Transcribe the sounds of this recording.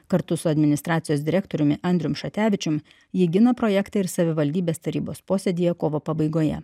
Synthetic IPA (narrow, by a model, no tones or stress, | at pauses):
kɐɾt̪ʊsʊɐd̪ʲmʲɪnʲɪst̪ɾɑːt̪sʲɪjoːsd̪ʲɪɾʲæːk̚t̪oːɾʲʊmʲɪʔɐnʲd̪ʲɾʲʊmʃɐt̪ʲæːʋʲɪt͡ʃʲʊm | jɪɡʲɪnɐpɾoːjɛkt̪ɐɪɾsɐʋʲɪʋɐlʲd̪ʲiːbʲeːst̪ɐɾʲiːboːspoːsʲed̪ʲɪjɛkoːʋoːpɐbɐɪɡoːjɛ̰